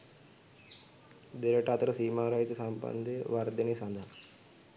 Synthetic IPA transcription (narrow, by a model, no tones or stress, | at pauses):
d̪eɾəʈat̪ɾəsiːmaɾajd͡ʒsampə̰nd̪eʋaɾd̪inisãnd̪ʱa